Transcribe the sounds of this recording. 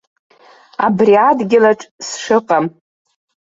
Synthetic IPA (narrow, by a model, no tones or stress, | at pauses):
a̰briadɡʲɪlaʈ͡ʂʼsʂɨqʼam